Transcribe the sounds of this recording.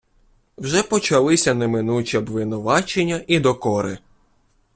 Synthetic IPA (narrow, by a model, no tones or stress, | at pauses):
wʒɛpɔt͡ʃɐlˠɪsʲɐnemɪnut͡ʃʲiɔbʋɪnʊʋɑt͡ʃenʲːɐʔid̪ɔkɔɾɪ